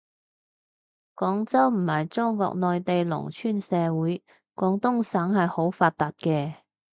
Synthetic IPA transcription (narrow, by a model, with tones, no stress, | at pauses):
kɔː˨˥ŋt͡sɐ˥wm̩˨˩ɐ˨jt͡sɔː˥ŋkɔ̰ː˧k̚nɔː˨jt̪e˨jlʊ̰˨˩ŋt͡ʃʰyː˥nsɛː˨˧wuː˨˥j | kɔː˨˥ŋt̪ʊ˥ŋsaː˨˥ŋhɐ˨jho˨˥wfaː˧t̚t̪aː˨t̚kɛː˧